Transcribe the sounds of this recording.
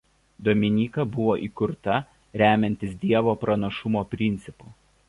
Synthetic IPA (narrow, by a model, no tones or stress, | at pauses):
d̪oːmʲɪnʲiːkɐbʊʋoːʔiːkʊɾt̪ɐ | ɾʲæːmʲɛnʲt̪ʲɪsd̪ʲiɛʋoːpɾɐnɐʃʊmoːpʲɾʲɪnʲt̪sʲɪpuː